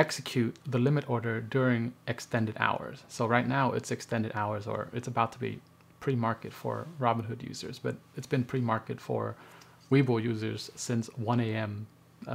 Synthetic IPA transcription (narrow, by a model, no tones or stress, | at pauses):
ɛksɨkʰj̥ʉt̪̚ðəlɪ̃mɨɾɔɹɾə˞dʊɹɪ̃ŋʔɨkstɛ̃ndɨɾa̰ʊə̰˞z̥soʊɹaɪtⁿnaʊʔɪ̰tsɨkstɛ̃ndɨɾaʊə˞zə̰˞ɨtsəbaʊtʰəbḭ | pʰɹ̥imɑɹkɨtfə̰˞ɹɑbə̃n̩ɦʊdjʉ̰zə̰˞zb̥ʌ̰ɾɨtsb̥ɨ̃npʰɹ̥imɑɹkɨtfə̰˞ | wiblˠjʉzə˞z̥sɪ̃nswʌ̃ñeɪɛ̃m